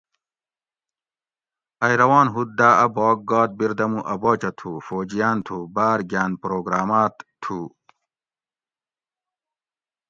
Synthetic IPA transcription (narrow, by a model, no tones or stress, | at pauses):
ɐjɾɐwaːnɦut̪̚d̪aːɐboːk̚ɡaːt̪̚biɾd̪ɐmuʔɐboːt͡ɕɐt̪ʰuːfoːd͡ʑijaːnt̪ʰubaːɾɡʲaːnpɾoːɡɾaːmaːt̪t̪ʰuː